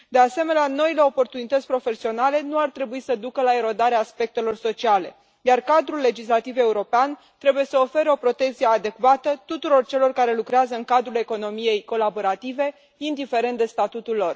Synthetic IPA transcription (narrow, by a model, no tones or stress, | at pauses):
d̪e̞ase̞me̞neano̞ile̞o̞po̞rt̪unit̪ət̪sʲpɾo̞fe̞sio̞nale̞nuart̪ɾe̞buisəd̪ukəlae̞ɾo̞d̪aɾeaːspe̞k̚t̪e̞lo̞rso̞t͡ʃiale̞̰ | jarkad̪ɾulːe̞d͡ʒislat̪ive̞uɾo̞pean | t̪ɾe̞buje̞səo̞fe̞ɾeo̞pɾo̞t̪e̞kt̪siead̪e̞kvat̪ət̪ut̪uɾo̞rt͡ʃe̞lo̞rkaɾe̞lukɾeazəɨŋkad̪ɾule̞ko̞no̞mije̞jko̞labo̞ɾat̪ive̞ | ind̪ife̞ɾe̞nt̪d̪e̞st̪at̪ut̪ulːo̞r